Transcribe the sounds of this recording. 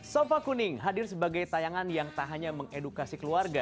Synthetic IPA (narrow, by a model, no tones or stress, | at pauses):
sofakunɪŋɦadɪrsəbaɡajt̪ajaŋanjaŋt̪aɦaɲaməŋedukasikəluarɡa